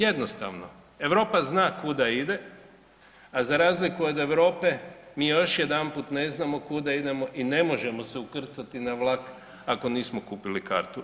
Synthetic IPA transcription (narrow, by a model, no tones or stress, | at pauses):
je̞d̪nost̪a̰ʋno̰ | e̞ʋɾo̞ːpaznaːkud̪aid̪e̞ | azaɾaːzlikuod̪e̞ʋɾo̞ːpe̞miːjo̞ʃje̞d̪anpuːt̪ne̞znamo̞kud̪aid̪e̞mo̞ʔine̞mo̞ʒe̞mo̞seukr̩t̪sat̪inaʋlˠak | ako̞niːsmokuːpilika̰ɾt̪u